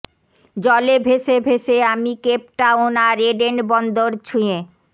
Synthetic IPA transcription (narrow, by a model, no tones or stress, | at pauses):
d͡ʑɔlebʱeʃebʱeʃeamikep̚ʈaonaɾeɖenbɔnd̪oɾt͡ɕʰuje